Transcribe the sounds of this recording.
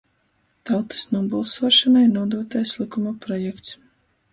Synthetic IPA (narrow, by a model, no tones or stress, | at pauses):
t̪awt̪ɨ̥snuɔbulˠsɔːʃanajnuɔd̪uːt̪ajslˠikumapɾɔjɛkt̪s